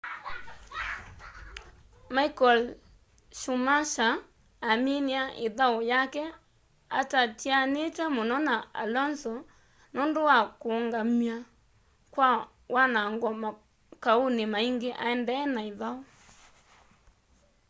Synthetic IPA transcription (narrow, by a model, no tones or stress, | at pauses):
maikɔl | ʃumaʃaː | miniaʔeðaojakɛ | atatjanetɛmonɔnaa̰lɔnsɔ | nondowakoŋɡamia | kwa | wʔanaŋɡɔma | kaunemaiŋɡeʔa̰ɛndɛːnaeðao